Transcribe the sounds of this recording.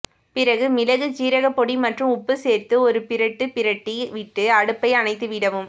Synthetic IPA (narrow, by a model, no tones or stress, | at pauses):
pɪɾɐɣɯmɪlɐɣɯt͡ʃiːɾɐɣɐpːɔɽimɐʈrɯmʊpːɯseːɾt̪ɯɔɾɯpɪɾɐʈːɯpɪɾɐʈːiʋɪʈːɯɐɽɯpːɐɪɐnɐɪt̪ːɯʋɪɽɐʋɯm